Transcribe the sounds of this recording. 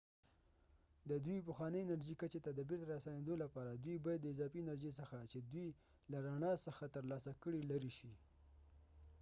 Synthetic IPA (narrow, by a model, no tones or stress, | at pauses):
d̪əd̪wip̬əxwɑnəɪnaɾʒikət͡ʃet̪ad̪əbiɾd̪əɾasaned̪olapɑɾad̪wibɑjad̪ːəɪzɑfinaɾʒes̬əxat͡ʃed̪wi | laɾaɳɑsəxat̪əɾlɑsakəɽilaɾiʃi